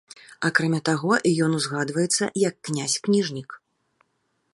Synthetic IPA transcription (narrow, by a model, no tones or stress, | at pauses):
akɾamʲat̪aɣɔʔijɔnuzɣad̪vɐjɛt̪sːɐ̰jɐkːnʲasʲknʲiʐnʲik